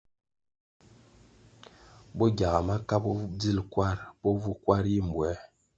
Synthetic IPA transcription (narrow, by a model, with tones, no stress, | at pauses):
bo˦ɡʲa˨ɣa˨ma˦ka˦bɔ˦d͡zi˦lkwa˦ɾbo˦vu˦kwa˦ɾji˦m˨bwɛ˨˦